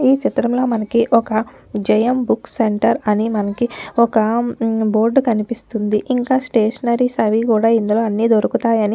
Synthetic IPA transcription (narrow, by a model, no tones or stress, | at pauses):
iːt͡ʃit̪ɾɐmlo̞ːmɐnɐkiʔɔkɐ | d͡ʒɛjɐmbukseɳʈɐɾɐnimɐnɐkiɔkɐbo̞ːɾɖkɐnipist̪und̪iʔiŋkaːsʈeːʂɐnɐɾisɐʋikuːɽaːind̪ulo̞ːɐnːiːd̪oɾukut̪aːjɐni